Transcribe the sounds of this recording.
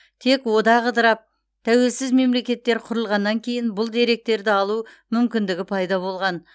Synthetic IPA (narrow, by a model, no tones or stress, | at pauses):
t̪ʰe̞kwo̞d̪ɑʁəd̪əɾɑp̚ | t̪ʰæwe̞lsɪzme̞mle̞kʲe̞t̪ːe̞ɾqʰʊɾəlˠʁɑnːɑŋkʲʰe̞jɪnbʊlˠd̪e̞ɾe̞k̚t̪e̞ɾd̪ɪɑlˠu | mʏmkʲɪnd̪ɪɡʲɪpʰɑjd̪ɑβo̞lˠʁɑn